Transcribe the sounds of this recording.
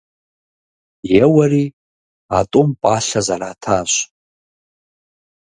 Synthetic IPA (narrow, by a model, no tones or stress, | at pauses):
jewaɾi | atʼompʼaʃazaɾaːtʰaːʃʷ